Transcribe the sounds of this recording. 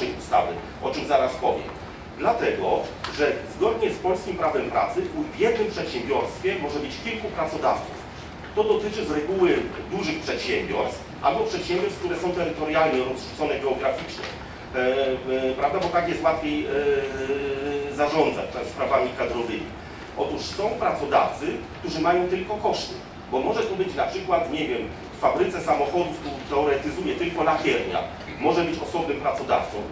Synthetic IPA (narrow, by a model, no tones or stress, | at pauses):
ɛjust̪a̰vɘ̰ | ʔɔt͡ʂɨmzaɾaspɔvʲjɛ̰m | d̪lat̪ɛɡɔʐɛzɡɔd̪ɲɛspɔlskʲimpɾavɛmpɾa̰t̪sɘʔuvjɛd̪nɘmpʂɛt̪ɕɛmbʲjɔɾst̪fʲjɛmɔʐɛbɘt͡ɕkʲilkupɾat̪sɔd̪aft̪suf | t̪ɔd̪ɔt̪ɘt͡ʂɘzɾɛɡuwɘd̪uʐɘxpʂɛt̪ɕɛmbʲjɔ̰ɾst̪fʔa̰lbɔpʂɛt̪ɕɛ̃mbʲjɔɾskt̪uɾɛsɔ̃w̃t̪ɛɾɘt̪ɔɾjalɲɛɾɔsʂu̥t̪sɔnɛɡɛɔɡɾafʲit͡ʂɲɛ̰ | pɾavd̪abɔt̪akjɛst̪wat̪fʲjej | zaʐɔnd̪za̰t͡ɕt̪aspɾavamʲikad̪ɾɔvɘmʲḭ | ʔɔt̪uʂsɔ̃w̃pɾat̪sɔd̪a̰ft̪sɘkt̪uʐɘmajɔ̃w̃t̪ɘlkɔkɔʂt̪ɘ | bɔmɔʐɛt̪ɔbɘt͡ɕnapʂɘkwat̪ɲɛvʲjɛm | fːabɾɘt̪sɛsamɔxɔd̪uft̪ut̪ɛɔɾɛt̪ɘzujɛt̪ɘlkɔnapʲjɛɾɲa̰ | mɔʐɛbɘt͡ɕɔsɔbnɛmpɾat̪sɔd̪a̰ft̪sɔ̃w̃